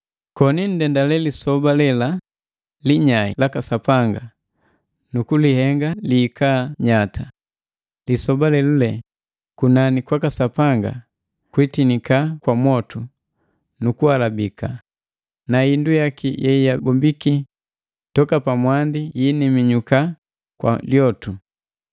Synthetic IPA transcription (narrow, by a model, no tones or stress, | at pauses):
kɔnin̩dɛndalɛlisɔbalɛla | liɲaḭlakasapaŋɡa | nukulihɛŋɡaliːkaɲatʰa | lisɔbalɛlulɛ | kunanikwakasapaŋɡa̰ | kwitinikakwamwɔtu | nukualabika | naindujakijɛijabɔmbiki | tɔkapamwandijinimiɲuka | kwa̰ljɔtu